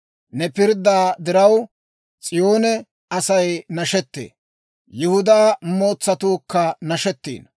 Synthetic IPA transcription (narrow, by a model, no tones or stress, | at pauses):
nɛpɪɾd̪aːd̪ɪɾɐw | t͡sʼɪjoːnɛ | ɐsɐjnɐʃɛt̪ːḛː | jɪhʊd̪aːmo̞ːt͡sːɐt̪uːkːɐnɐʃɛt̪ːḭːn